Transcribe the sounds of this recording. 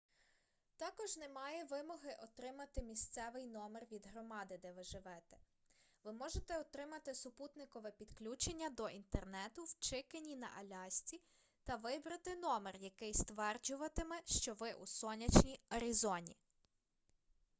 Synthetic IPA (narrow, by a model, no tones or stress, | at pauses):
t̪ɑkɔʒnɛmɑjɛʋɪmɔɦɪʔɔt̪ɾɪmɐt̪ɪmʲisʲt̪sɛʋɪjnɔmɛrʋʲid̪ɦɾɔmɑd̪ɪd̪ɛʋɪʒɪʋɛt̪ɛ̥ | ʋɪmɔʒet̪ɛɔt̪ɾɪmɐt̪ɪsʊput̪nɪkɔʋɛpʲid̪klʲut͡ʃenʲːɐd̪ɔʔint̪ernɛt̪ʊwt͡ʃɪkenʲinɐ̰ʔɐlʲɑsʲt͡sʲi | t̪ɐʋɪbɾɐt̪ɪnɔmɛrjɐkɪjst̪ʋɛrd͡ʒʊʋɐt̪emɛʃt͡ʃɔʋɪʔusɔnʲɐt͡ʃnʲiɔɾʲizɔnʲḭ